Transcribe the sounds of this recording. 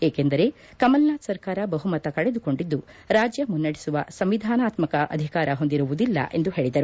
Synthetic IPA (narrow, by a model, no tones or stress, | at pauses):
eːke̞nd̪ɐɾe̞ | kɐmɐlnaːt̪sɐɾkaːɾɐbɐɦumɐt̪ɐkɐɭed̪uko̞ɳɖid̪ːuɾaːd͡ʒjɐmunːɐɽisuʋɐ̰sɐmʋid̪ʱaːnaːt̪mɐkɐʔɐ̰d̪ʱikaːɾɐɦo̞nd̪iɾuʋud̪ilːɐ̰ʔe̞nd̪uɦe̞ːɭid̪ɐɾu